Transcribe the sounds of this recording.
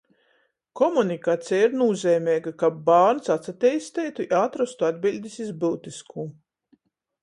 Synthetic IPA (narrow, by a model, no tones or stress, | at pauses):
kɔmunikaːt̪sʲijaiɾnuːzʲɛːmʲɛːɡakabaːɾnsat̪sat̪ʲɛjst̪ɛːjt̪uiaːt̪ɾɔst̪uad̪bilʲd̪ʲisizbɨlt̪iskʰuː